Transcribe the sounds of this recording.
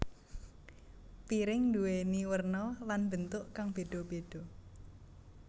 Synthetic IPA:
piɾɪŋnd̪uweniwərnɔlanb̥ənt̪ʊʔkaŋb̥e̤ɖ̪̥ɔ̤b̥e̤d̥ɔ̤

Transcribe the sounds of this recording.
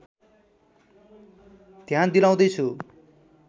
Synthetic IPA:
t̪jãd̪ilãw̃d̪ʌjt͡sʰu

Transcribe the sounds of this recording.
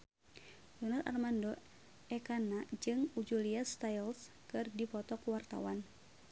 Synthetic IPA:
lunara̰rmandɔ | ɛkanad͡ʒɨŋud͡ʒuliast̪ajls | kɨrdipɔt̪ɔkuwart̪a̰wan

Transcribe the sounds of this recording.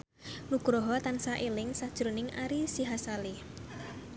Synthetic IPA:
nuɡ̥ɾɔɦɔt̪ansaʔelɪŋsad̥ʒ̥ɾonɪŋaɾisiɦasali

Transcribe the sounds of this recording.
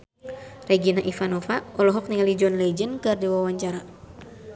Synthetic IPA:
rɛɡinaʔifanɔfaɔlɔɦɔk̚niŋalid͡ʒɔnlɛd͡ʒənkɨrdiwawaɲt͡ʃaɾa

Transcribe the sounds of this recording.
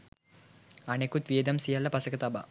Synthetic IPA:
ɐnekut̪ʋijɐd̪ɐmsijɐlːɐpɐsɐkɐt̪ɐbɐ̰

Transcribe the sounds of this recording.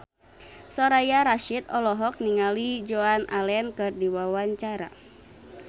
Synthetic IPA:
sɔɾajaɾaʃit̪ɔlɔɦɔk̚niŋalid͡ʒoanalɛnkɨrdiwawaɲt͡ʃaɾa̰

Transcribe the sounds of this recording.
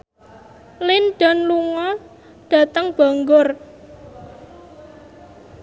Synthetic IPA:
lɪnɖ̥ɔ̤nluŋɔ | ɖ̥ä̤t̪əŋb̥aŋɡʊr

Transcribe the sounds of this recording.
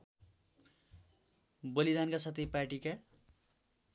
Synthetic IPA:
bʌlid̪ankasat̪iparʈika

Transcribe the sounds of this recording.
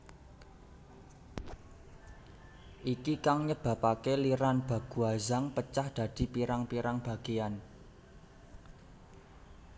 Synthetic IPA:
ʔikikaŋɲəb̥ä̤pakeliɾanb̥a̤ɡ̥ṳazaŋpət͡ʃahd̪̥ä̤d̪̥i̤piɾaŋpiɾaŋb̥ä̤ɡ̥ean

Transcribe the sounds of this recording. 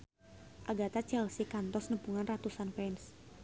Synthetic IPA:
ʔaɡat̪at͡ʃɛlsikant̪ɔsnəpuŋanrat̪usanpɛns

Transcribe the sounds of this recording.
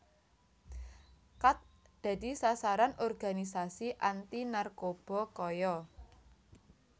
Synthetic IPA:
kat̪̚ | d̪̥ä̤d̪̥i̤sasaɾanɔrɡa̤nisasiʔant̪inarkob̥ɔ̤kɔjɔ

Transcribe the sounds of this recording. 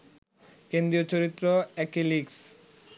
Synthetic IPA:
kend̪ɾiot͡ɕoɾit̪ːɾoɛkiliks

